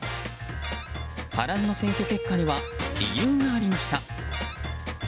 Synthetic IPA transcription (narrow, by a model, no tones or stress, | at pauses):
ha̰ɾanːo̞seŋkʲoke̞kːaɲ̟iβaɾʲḭjɯːŋaːɾʲimaɕi̥t̪a